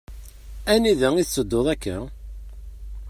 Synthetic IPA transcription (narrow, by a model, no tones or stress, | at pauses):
æniðæiθsːəd̪ːoðˤækːæ